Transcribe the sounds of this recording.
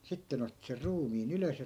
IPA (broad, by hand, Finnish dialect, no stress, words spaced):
sitːe nĕ otːi ser ruːmiːn yløs jɑ